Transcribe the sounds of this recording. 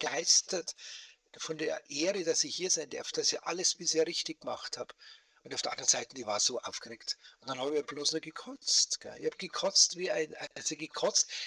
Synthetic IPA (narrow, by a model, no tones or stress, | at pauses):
ɡ̥aɪstɐt | fɔndeːɐʔeːʁəd̥asɪçhiːɐzaɪnd̥ɪɐftd̥asɪçʔaləsb̥ɪseːɐʁɪçtɪçɡ̥əmaχthaːb | ʊntaʊfd̥iɐandʁənzaɪtn̩d̥iːvaːɐz̥oːʔa̰ʊfɡ̥əʁeːktʊntd̥anhaːbiːɐbloːsnuɐɡəkʰɔt͡stɡ̥ɛ̰ɪhaːbɡ̥əkʰɔt͡stviːaɪna̰ɪsiɡəkʰɔt͡st